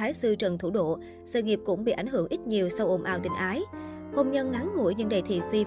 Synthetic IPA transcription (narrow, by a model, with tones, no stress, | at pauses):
aː˨˦jsɨ˧t͡ɕə˨˩nt̪ʰṵ˧˩ɗo̰˧˨ | sə̰ː˧˩ŋi˨˩əp̚kʊ̰˧˥ŋ͡mɓḭ˧˨ʔa˧˩jŋ̟ɦɨ˧˩əŋʔi˦˥t̚ɲi˨˩əwsa˧wʔo˧˩ŋ͡mʔaː˧˩wt̪ï˧˩ŋ̟ʔaː˨˦j | ho˧ŋ͡mɲə˧nŋa˨˦ŋŋṵ˧˩jɲɨ̰˧˥ŋɗə̰˧˩jt̪ʰḭ˧˨zwi˧